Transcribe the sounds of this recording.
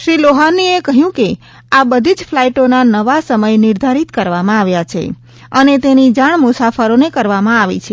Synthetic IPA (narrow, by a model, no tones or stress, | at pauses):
ʃɾiloɦaniekəɦjũke | abəd̪ʱid͡ʒfʰlaiʈonanəʋasəməjnɪɾd̪ʱaɾit̪kəɾʋamãaʋjat͡ʃʰḛ | ənet̪enid͡ʒaɳ̃mʊsafəɾonekəɾʋamãaʋḭt͡ʃʰe